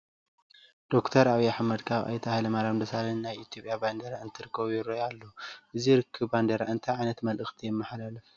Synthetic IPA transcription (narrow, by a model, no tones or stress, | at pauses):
d̪̥o̞kt̪ʰɐɾaβiaħmɐd̪kʰaβa̰jt̪ʰahalɐmaɾand̪ɐsalinnajit̪ʰjo̞pʼjaband̪ɐɾaɨnt̪ʰɨɾɨkʰːɐβujɪɾojalːoʔɨziɾɨkʰːɨβband̪ɐɾaɨnt̪ʰɐjʕajnɐt̪mɐlʔɨxt̪ʰijɪmːɐħalalɐf